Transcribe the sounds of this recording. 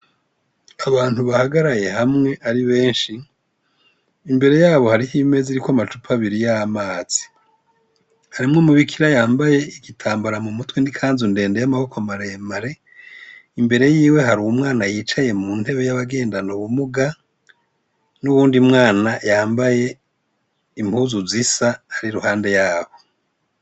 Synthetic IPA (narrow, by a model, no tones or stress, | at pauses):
aβaːn̥huβahaɡaɾaje̞hamŋe̞ʔaɾiβe̞ːnʃi | mbe̞ɾe̞jaːβo̞haɾihime̞ziɾikwamat͡ʃupʰaβiɾijamaːz̥i̥ | haɾimŋo̞muβikʰiɾajaːmbaje̞iɡitʰaːmbaɾamumutwendikʰaːnzunde̞ːnde̞jamaβo̞kʰomaɾemaɾe̞ | imbe̞ɾe̞jiːwe̞ɦaɾuwumŋaːnajiːt͡ʃaje̞muːn̥he̞βe̞jaβaɡe̞ːndanoβumuɡa | nuβuːndimŋaːnajaːmbaje̞ | imhuːzuzisahaɾiɾuhaːnde̞jaːβo̞